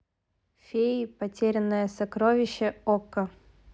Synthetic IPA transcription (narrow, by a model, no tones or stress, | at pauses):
fʲepɐtʲeɾʲɪnːəjəsɐkɾovʲɪɕːɛokːə